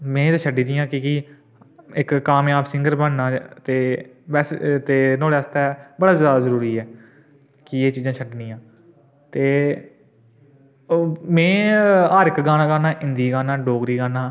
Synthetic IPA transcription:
mɛ̃ːt̪eʃʰəɖiːd̪ijãːkɪki | ɪkːaːmẽaːpsɪ̃ŋɡəɾbənnãːt̪eːʋɛːst̪eːnoːɽaːst̪ɛːbəɽaːzaːd̪azəɾuːɾiːɛː | kɪeːt͡ʃiːzãːt͡ʃʰəɖnĩːjãː | t̪eː | mɛ̃ːaːɾɪkɡaːnaːɡaːnaːʔɪnd̪iːɡaːnaːɖoːɡɾiːɡaːnaː

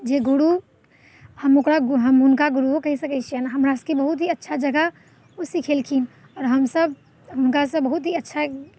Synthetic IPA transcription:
d͡ʒeɡuɽu | həmokɾaɡɦəmɦʊnkaɡuɾuɦokəɦisəkɛt͡ʃʰijənɦəmɾaskibəɦut̪ɦiətːʃʰad͡ʒəɡə | osikʰelkʰin | ɔːɾɦəmsəb | ɦʊnkasəbːəɦut̪ɦiətːʃʰa

